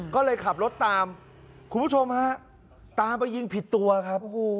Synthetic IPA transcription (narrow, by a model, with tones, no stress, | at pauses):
kɔː˥˩lɤː˧jkʰa˨˩p̚ɾo˦˥t̪ːaː˧m | kʰu˧npʰu˦˥˩o˧mha˦˥ | t̪aː˧mpa˧jːi˧ŋpʰi˨˩t̪ːu˧ɐ˧kʰa˦˥p̚ː